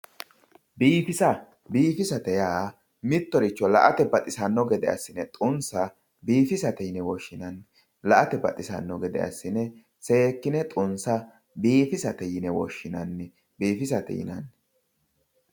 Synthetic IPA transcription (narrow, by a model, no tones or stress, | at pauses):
biːfɪsɐ | biːfɪsɐt̪ɛjaː | mɪt̪ːɔɾɪt͡ʃːɔlɐ̰ʔɐt̪ɛbɐt̪ʼɪsɐnːɔɡɛd̪ɛ̰ɐ̰sːɪnɛt̪ʼʊnsɐ | biːfɪsɐt̪ɛjɪnɛwɔʃːɪnɐnː | lɐʔɐt̪ɛbɐ̰t̪ʼɪsɐ̰nːɔɡɛd̪ɛ̰ɐ̰sːɪnɛ | seːkːɪnɛt̪ʼʊnsɐ | biːfɪsɐt̪ɛjɪnɛwɔ̰ʃːɪnɐnːɛ | biːfɪsɐt̪ɛ̰jɪ̰nɐ̰nː